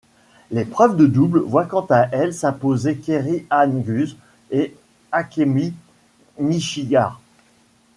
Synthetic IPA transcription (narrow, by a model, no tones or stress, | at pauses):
lepχœvd̪əd̪ublvwakɑ̃t̪aʔɛlsɛ̃pozekʲeʁiʔanɡʲyz | e | akʲemi | miʃiɡaʁ